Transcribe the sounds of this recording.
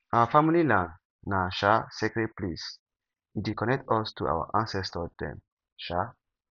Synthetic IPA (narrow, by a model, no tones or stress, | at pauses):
awəfamililãn | naʃasɛkɾɛt̚plis | dikʰɔ̃nɛk̚tɔstʰuʔa̰wə̰ʔãnsɛstədɛ̰̃n | ʃa